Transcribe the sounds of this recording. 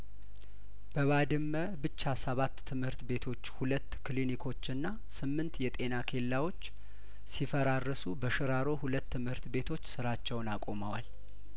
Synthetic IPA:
b̥əβad̪ɨmːə | bɨt͡ʃːasəβat̪ʰːɨmhɨɾt̪be̞t̪ʰo̞t͡ʃːhulət̪ːkʰlinikʰo̞t͡ʃːɨnːa | sɨmːɨnt̪jɛt̪ʼe̞nakʰe̞lːawo̞t͡ʃː | sifəɾarːəsubəʃɨɾaɾo̞hulət̪ːɨmhɨɾt̪be̞t̪ʰo̞t͡ʃːsɨɾat͡ʃːɛwnakʼo̞məwa̰l

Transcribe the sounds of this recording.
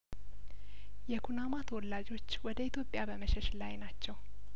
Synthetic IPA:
jɛkʰunamat̪ʰəwɔlːad͡ʒo̞t͡ʃːwɔd̪əit̪ʰjo̞pʼːjabəməʃɛʃlajnat͡ʃːɛw

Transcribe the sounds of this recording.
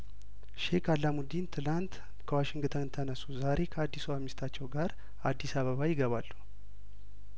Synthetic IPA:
ʃekʰalːamud̪int̪ʰɨlant̪ | kʰəwaʃɪŋɡɨt̪ʰənɨnt̪ʰənəsuzaɾe̞kʰəad̪ːisuwamist̪ʰat͡ʃːɛwɡaɾ | ad̪ːisaβəβajɪɡəβalːu

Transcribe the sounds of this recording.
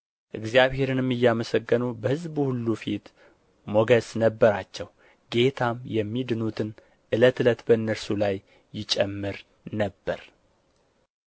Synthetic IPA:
ʔɨɡzijaβhe̞ɾɨnɨmːɨjːaməsəɡːənubəhɨzbuhulːufit̪ | moɡəsnəbːəɾat͡ʃːɛw | ɡe̞t̪ʰamjɛmːid̪ɨnut̪ʰɨn | ʔɨlət̪ɨlət̪bəɨnːəɾsulajː | ɪt͡ʃʼɛmːɨɾ | nəbːə̰ɾ

